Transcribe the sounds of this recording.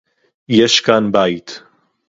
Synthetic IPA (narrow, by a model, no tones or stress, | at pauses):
jɛʃkaːnbaːit̪ʰ